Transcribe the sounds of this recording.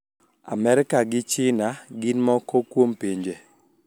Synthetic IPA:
a̰mɛɾkaɡɪt͡ʃɪnaɡɪnmɔkokwompiɲd͡ʒe

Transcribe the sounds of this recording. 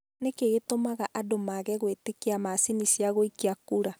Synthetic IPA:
nekeɣetomaɣaʔadomaɣɛɣwetekiamasinisiaɣoikiakuɾa

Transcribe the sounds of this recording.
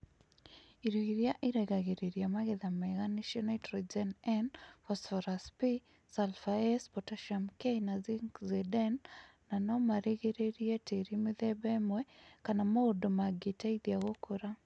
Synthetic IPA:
iɾiɣiɾjaʔiɾɛɡaɣeɾeɾjamaɣeðamɛɣaniʃɔnɔtɾid͡ʒɛnɛnfɔsfɔɾaspi | salfaɛspɔtaʃamkenaziŋkzidɛnː | anɔmaɾiɣeɾeɾjɛtʰeɾimiðɛbɛmwɛkanamoodomaɡitaiðjaɣokoɾa

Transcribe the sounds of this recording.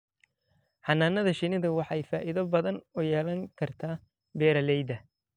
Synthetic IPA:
ħɑnaːnɐðɐʃɪnɪðɐwɑħɑjfaːʔɪðɐbɐðɐnʊjɛːlɐŋkʰɐrt̪ʰaː | bɛːɾɐlɛjd̪ɐ

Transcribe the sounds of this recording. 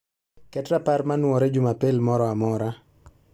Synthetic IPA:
kɛtɾaparmanwɔɾɛd͡ʒumapelmɔɾɔamɔɾa

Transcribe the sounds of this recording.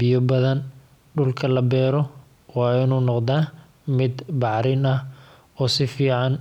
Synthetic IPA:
bɪjɔbɐðɐn | ɖʊlkʰɐlɐbɛːɾɔ | wɑːɪnuːnɔqd̪aː | mɪd̪bɑʕɾɪnɐh | ɔːsɪfiːʕɑn

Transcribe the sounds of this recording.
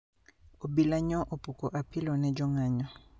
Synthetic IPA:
obilaɲɔʔopʼukʼɔʔapʰilɔnɛd͡ʒɔŋaɲɔ

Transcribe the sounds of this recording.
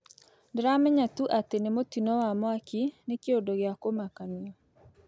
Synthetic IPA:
dɾamɛɲat̪uʔat̪enemot̪inɔwamwakinekeodoɡɪakomakaniɔ

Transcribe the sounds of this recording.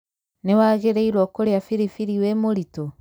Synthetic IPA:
newaːɣeɾeiɾwɔkoɾeafiɾifiɾiwemoɾito

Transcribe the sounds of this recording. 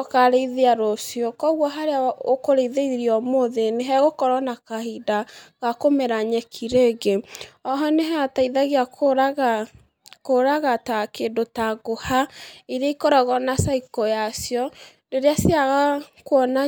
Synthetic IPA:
kaɾeiðeaɾosjokɔɣwɔɦaɾeaokoɾeiðeiɾiɔmoðeneɦɛɣokɔɾɔnakahidaɣakomeɾaɲɛkʰiɾeɡeɔɦɔneɦɛataiðaɣeakoɾaɣa | koɾaɣatakeːdotaɣohaiɾeaikɔɾɔɣɔnasaikɔjasjɔ | deɾeasaɣakwɔna

